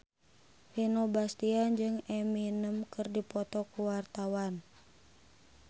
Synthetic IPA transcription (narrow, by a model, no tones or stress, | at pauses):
ʔinobast̪iand͡ʒɨŋɛminəmkɨrdipɔt̪ɔkuwart̪awan